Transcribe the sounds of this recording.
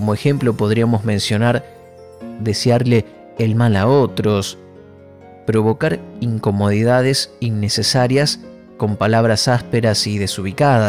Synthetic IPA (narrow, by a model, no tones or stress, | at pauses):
komoe̞xe̞mplo̞po̞ð̞ɾiamo̞zmẽ̞nsjo̞naɾ | ðe̞sjaɾleː | lmalao̞t̪ɾo̞s | pɾo̞βo̞kaɾiŋko̞mo̞ð̞iðað̞e̞sinːe̞se̞saɾjas | ko̞mpalaβ̞ɾasaspe̞ɾasiðe̞suβ̞ikaða